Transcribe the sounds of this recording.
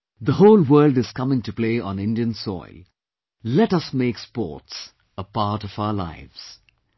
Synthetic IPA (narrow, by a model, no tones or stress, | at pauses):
d̪əhoːlwəːlɖɨz̥kʌmɪ̃ŋtupleːɔ̰̃nɪ̃nɖiə̃nsɔ̰ɪl | lɛʈʌsmeːkspɔ̰ːts | əpaɾʈɔvaʊəla̰ɪvz̥